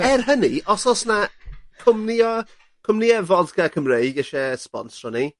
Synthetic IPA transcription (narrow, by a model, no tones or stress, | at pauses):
ɛrɦəniɔsɔsnakʰʊmniɔ | kʰʊmniɛvɔdɡakʰəmrejɡɛʃɛspɔ̰nsrɔni